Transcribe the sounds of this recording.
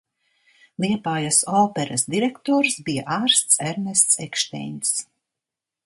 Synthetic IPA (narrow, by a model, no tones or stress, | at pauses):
lˠiɛpaːjasɔːpɛɾasd̪iɾɛkt̪ɔːɾsbijaʔaːɾst̪sɛɾnest̪sɛkʃt̪ɛ̰jns